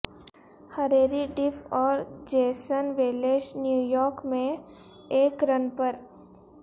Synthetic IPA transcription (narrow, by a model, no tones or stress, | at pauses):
hɐɾeːɾiɖɪfʰɔːɾd͡ʒeːsənʋeːleʃnjuːjɔːɾkmẽ | eːkɾənpəɾ